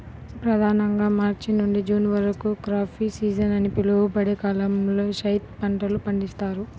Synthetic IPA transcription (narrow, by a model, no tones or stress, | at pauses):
pɾɐd̪ʱaːnɐŋɡaːmaːɾt͡ʃinnuɳɖid͡ʒuːnʋɐɾkukɾaːpʰiːsiːd͡ʒɐnɐnipilubɐɽekaːlɐmloːʃɐjt̪pɐɳʈɐlupɐɳɖist̪aːɾu